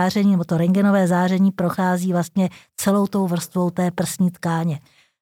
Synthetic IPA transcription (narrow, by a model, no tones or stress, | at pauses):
aːrɛɲiːnɛbo̞t̪o̞ɾɛŋɡɛno̞vɛːzaːrɛɲiːpɾo̞xaːziːvlast̪ɲɛt͡sɛlo̞wt̪o̞wvr̩st̪vo̞wt̪ɛːpr̩sɲiːt̪kaːɲɛ